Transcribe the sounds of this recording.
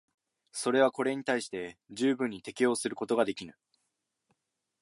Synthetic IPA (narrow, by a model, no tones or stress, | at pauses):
so̞ɾe̞β̞ako̞ɾe̞ɲ̟it̪aiɕi̥t̪e̞d͡ʑɨːbɯ̟̃ɲ̟ːit̪e̞kʲijo̞ːsɨɾɯ̟ko̞t̪o̞ɡad̪e̞kʲinɯ̟